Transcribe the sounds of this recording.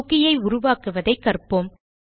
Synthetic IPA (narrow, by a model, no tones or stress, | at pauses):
ɣɪjɐɪʊɾʊʋaːkɯʋɐðɐɪkːɐrpɯm